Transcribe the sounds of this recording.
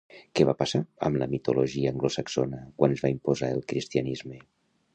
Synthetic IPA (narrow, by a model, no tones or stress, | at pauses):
kɛβapasaə̰mləmit̪oloʒiəːŋɡlosaksonəkwanzβaimpozaəlˠkɾist̪iənizme